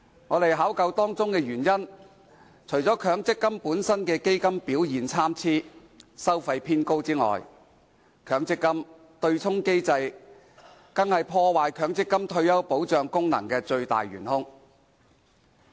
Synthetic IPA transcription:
ŋɔː˨˧t̪e˨jɦaː˨˥wkɐ˧wt̪ɔː˥ŋt͡sʊ˥ŋkɛː˧jyː˨˩njɐ˥n | t͡ʃʰɵ˨˩ɥt͡sɔː˨˥kʰœː˨˧˥ŋt͡sɪ˥kːɐ˥mpuː˨˥nsɐ˥nkɛː˧ke˥jkɐ˥mpiː˨˥wjiː˨nt͡sʰaː˥mt͡sʰiː˥ | sɐ˥wfɐ˧jpʰiː˥nko˥wt͡siː˥ŋɔ̰ː˨˩j | kʰœː˨˧ŋt͡sɪ˥kːɐ˥m | t̪ɵ˧ɥt͡sʰʊ˥ŋke˥jt͡sɐ˧j | kɐ˥ŋhɐ˨jpʰɔː˧waː˨jkʰœː˨˥ŋt͡sɪ˥kːɐ˥mt̪ʰɵ˧ɥjɐ˥wpo˨˥wt͡ʃœː˨˧ŋkʊ˥ŋnɐ̰˨˩ŋkɛː˧t͡ʃɵ˧ɥt̪a̰ː˨jɥy̰ː˨˩nhʊ˥ŋ

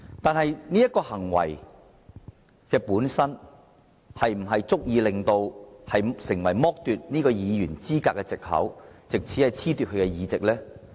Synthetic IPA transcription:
t̪aː˨˧nɦɐ˨jniː˥jɐ˥t̚kːɔː˧hɐ˨˩ŋwɐ̰˨˩j | kɛː˧puː˨˥nsɐ˥n | hɐ˨jm̩˨˩ɦɐ˨jt͡sʊ˥k̚jiː˨˧lɪ˨ŋt̪o˧whɐ˨jsɪ˨˩ŋwɐ˨˩jmɔː˥k̚t̪yː˨t̚niː˥kɔː˧jiː˨˧jyː˨˩nt͡siː˥kaː˧˥kːɛː˧t͡sɪ˨k̚hɐ̰˨˥wt͡sɪ˨k̚t͡sʰi˨˥hɐ˨jt͡sʰiː˥t̪y˨t̚ʰɵ˧kɛ˧jiː˨˧t͡sɪ˨k̚lɛː˥

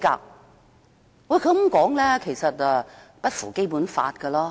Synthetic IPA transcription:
ka̰ː˧k̚ | wjkʰɵ˧˥m̩ʊ˨˦mkɔː˨˥ŋlɛː˥kʰe˨˩jsɐ˨t̚ɛ˧ | pɐ˥t̚fṵː˨˩ke˥jpuː˨˥nfa̰ː˧t̚kə˧lɔː˥

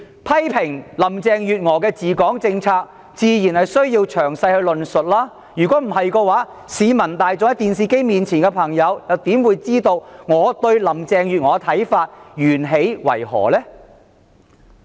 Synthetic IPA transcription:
pʰɐ˥jpʰɪ˨˩ŋlɐ˨˩mt͡sɛː˨˧ŋjyː˨t̚ŋɔː˨˧kɛː˧t͡siː˨kɔː˨˥ŋt͡sɪ˧ŋt͡sʰaː˧k̚ | t͡siː˨˧jiː˨˩nhɐ˨jsɵ˥ɥjiː˧wt͡ʃʰœː˨˩ŋsɐ˧jhɵ˧ɥlɵ˨nsɵ˨t̚laː˥ | jyː˨˩kɔː˨˥m̩˨˩ɦɐ˨jkɔː˧waː˨˥ | siː˨˧mɐ˨˩nt̪aː˨jt͡sʊ˨˧ŋɐ˥t̪iː˨nsiː˨ke˥jmiː˨nt͡sʰiː˨˩nkɛ˧pʰɐ˨˩ŋjɐ˨˧wjɐ˨˧wt̪iː˨˥mwuː˨˧jt͡siː˥t̪o˧wŋɔː˨˧t̪ɵ˧ɥlɐ˨˩mt͡sɛː˨ŋjyː˨t̚ŋɔː˨˧t̪ʰɐ˨˥jfaː˧t̚jyː˨˩nɦe˨˥jwɐ̰˨˩jhɔ̰ː˨˩lɛː˥

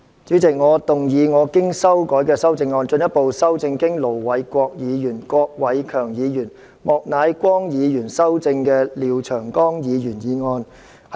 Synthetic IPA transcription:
t͡ʃyː˨˥t͡sɪ˨k̚ŋɔː˨˧t̪ʊ˨ŋjiː˨˧ŋɔː˨˧kɪ˥ŋsɐ˥wkɔː˨˥jkɛː˧sɐ˥wt͡sɪ˧ŋːɔː˧nt͡ʃɵ˧njɐ˥t̚po˨wsɐ˥wt͡sɪ˧ŋkɪ˥ŋlo˨˩wwɐ˨˧jkʷɔː˧k̚jiː˨˧jyː˨˩nkʷɔː˧k̚wɐ˨˥jkʰœː˨˩ŋjiː˨˧jyː˨˩n | mɔː˨k̚naː˨˧jkʷɔː˥ŋjiː˨˧jyː˨˩nsɐ˥wt͡sɪ˧ŋkɛː˧liː˨˩wt͡ʃʰœː˨˩ŋkɔː˥ŋjiː˨˧jyː˨˩njiː˨˧ŋɔː˧n | h

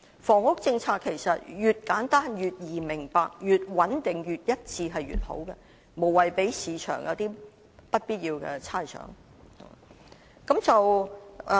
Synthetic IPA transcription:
fɔː˨˩ŋʊ˥k̚t͡sɪ˧ŋt͡sʰaː˧kʰːe˨˩jsɐ˨t̚jyː˨t̚kaː˨˥nt̪aː˥njyː˨t̚jiː˨˩mɪ˨˩ŋpaː˧k̚jyː˨t̚wɐ˨˥nt̪ɪ˨ŋjyː˨t̚jɐ˥t̚t͡sʰiː˧ɦɐ˨jɥy̰ː˨t̚ho̰˨˥wkɛ˧ | mo˨˩wɐ˨jpe˨˥jsiː˨˧˥t͡ʃʰœ̰ː˨˩ŋjɐ̰˨˧wt̪iː˥ | pɐ˥t̚piː˥t̚ji˧wkɛ̰˧t͡sʰaː˥jsœ̰ː˨˧˥ŋ | ha̰˨˩ | kɐ˨˥mt͡sɐ˨w

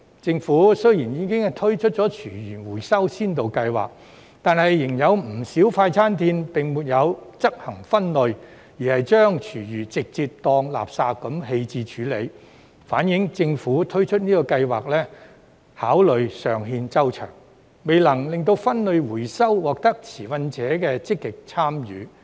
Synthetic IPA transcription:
t͡sɪ˧ŋfuː˨˥sɵ˥ɥjiː˨˩njiː˨˧kɪ˥ŋhɐ˨jt̪ʰɵ˥ɥt͡ʃʰɵ˥t̚t͡ʃɔː˨˥t͡ʃʰyː˨˩jyː˨˩nwuː˨˩jsɐ˥wsiː˥nt̪o˨wkɐ˧jwa̰ː˨˩k̚ | t̪aː˨nhɐ˨jːɪ˨˩ŋjɐ˨˧wm̩˨˩siː˨˥wfaː˧jt͡sʰaː˥nt̪iː˧npɪ˨ŋmuː˨˩t̚jɐ˨˧wt͡sɐ˥k̚hɐ˨˩ŋfɐ˥nlɵ˨˧ɥ | jiː˨˩hɐ˨jt͡ʃœː˥ŋt͡ʃʰyː˨˩jyː˨˩t͡sɪ˨k̚t͡siː˧p̚t̪ɔː˧ŋla̰ː˨p̚saː˧tkːɐ˨˥mɦe˧jt͡siː˧t͡ʃʰyː˨˥le˨˧j | faː˨˥njɪ˨˥ŋt͡sɪ˧ŋfuː˨˥t̪ʰɵ˥ɥt͡ʃʰɵ˥t̚niː˥kɔː˧kɐ˧jwaː˨k̚lɛː˥ | haː˨˥wlɵ˨˧ɥsœː˨˩ŋɦiː˧nt͡sɐ˥wt͡ʃʰœ̰ː˨˩ŋ | me˨jlɐ˨˩ŋlɪ˨ŋt̪o˧wfɐ˥nlɵ˨˧ɥwuː˨˩jsɐ˥wwɔː˨k̚t̪ɐ˥k̚t͡sʰiː˨˩fɐ˧nt͡sɛː˨˥kɛː˧t͡sɪ˥kːɪ˨k̚t͡sʰaː˥mjy̰ː˨˧˦

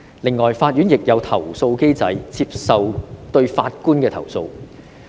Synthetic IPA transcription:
lɪ˨˩ŋːɔː˨˩jfaː˧t̚jyː˨˥njɪ˨k̚jɐ˨˧wt̪ʰɐ˨˩wso˧wke˥jt͡sɐ˨˥jt͡sʰiː˧p̚sɐ˨wt̪ɵ˧ɥfaː˧t̚kuː˥nkɛː˧t̪ʰɐ̰˨˩wso˧w

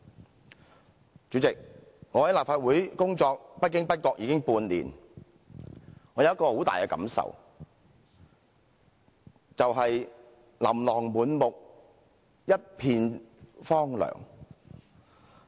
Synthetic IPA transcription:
t͡syː˨˥t͡sɪ˨k̚ | ŋɔː˨˧hjlaː˨p̚faː˧t̚wuː˨˥jkʊ˥ŋt͡sɔː˧k̚pɐ˥t̚kɪ˥ŋpɐ˥t̚kɔː˧k̚jiː˨˧kɪ˥ŋpuː˧nlḭː˨˩n | ŋɔː˨˧jɐ˨wjɐ˥kɔː˧ho˨˥wt̪aː˨jkɛː˧kɐ̰˨˥msɐ̰˨˩w | t͡sɐ˨wɦɐ˨j | lɐ̰˨˩mlɔː˨˩ŋmuː˨˥nmʊ˨k̚ | jɐ˥t̚pʰiː˧nfɔː˥ŋlœ̰ː˨˩ŋ

